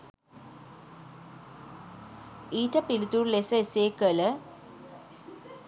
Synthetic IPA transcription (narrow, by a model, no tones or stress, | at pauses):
iːtːɐpilit̪uːɾlesɐeseːkələ